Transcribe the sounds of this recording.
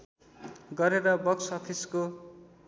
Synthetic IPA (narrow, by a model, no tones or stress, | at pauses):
ɡʌɾeɾʌbʌksʌpʰisko